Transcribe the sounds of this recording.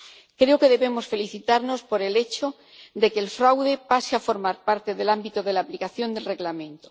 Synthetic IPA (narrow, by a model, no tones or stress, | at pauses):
kɾe̞oke̞ðe̞βe̞mo̞sfe̞liθit̪aɾno̞spo̞ɾe̞le̞t͡ʃo̞ | d̪e̞ke̞ːlfɾawðe̞paseafo̞ɾmaɾpaɾt̪e̞ðe̞lambit̪oðe̞laːplikaθjo̞nd̪e̞lre̞ɣlamẽ̞nt̪o